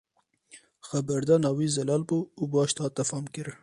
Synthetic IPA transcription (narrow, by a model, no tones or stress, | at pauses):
xabɐɾd̪anɑwizɐlɑlboubɑːʃt̪ɑt̪ɐfɑmkiɾ